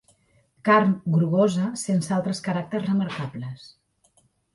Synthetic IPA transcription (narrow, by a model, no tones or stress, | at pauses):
kaɾnɡɾuɣozəsensalˠt̪ɾəskəɾak̚t̪ərzrəməɾkabləs